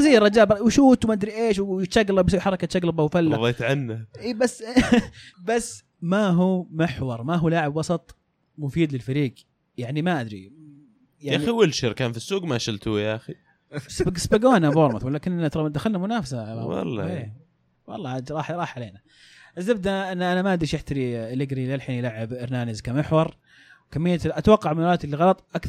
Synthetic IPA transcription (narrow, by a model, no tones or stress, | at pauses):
ɑziːɾˤɑd͡ʒaːbwɪʃuːt̪wmaʔad̪ɾiʔeːʃw̪ʃaɡlabswħɑɾˤɑkat̪ʃaɡlɑbawfalːaðˤiːt̪ʕanːaʔiːbasː | basː | maɦuːmɪħwɑɾˤmaɦuːlaʕɪbwɑsˤɑt̪ˤ | mʊfiːd̪lɪlfaɾiːɡ | jaʕnimaʔad̪ɾḭ | jaʔaixiwɪlʃɪɾkaːnfisːuːɡmaʃɪlt̪ujaʔxi | sbɡspaɡoːnaboːɾˤmaθwalːaːkɪnt̪ɾˤɑd̪axalnamʊnaːfasaa̰wɑ̰lˤːɑ̰eː | wɑ̰lˤːɑːadɾˤɑːħɾˤɑːħʕaleːna | ʔazːab̚d̪aʔɪnːʔanamaʔad̪ɾiʃʔɪħt̪aɾilɪɡɾilalħiːnilaʕɪbɪɾnaːnɪzkamɪħwɑɾˤ | wkamːɪjːat̪ʔat̪wɑqːɑʕmanalaːt̪lːiɣɑlɑt̪ˤʔak